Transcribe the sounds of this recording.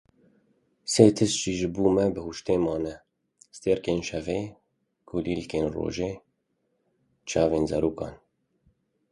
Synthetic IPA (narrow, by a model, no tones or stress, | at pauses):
seːt̪ʰɪst͡ʃiːʒɪbuːmɛbəhuʃt̪eːmaːnɛ | st̪eːɾkeːnʃɛveː | ɡ̥oliːlkeːnro̰ːʒeː | t͡ʃɑːveːnzɐ̰ɾuːkaːn